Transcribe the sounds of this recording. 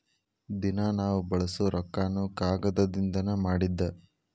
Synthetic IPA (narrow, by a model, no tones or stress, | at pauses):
d̪inɐnaːʋubɐɭɐsuɾʔɔkːaːnːukaːɡɐd̪ɐd̪ind̪ɐnɐmaːɽid̪ːɐ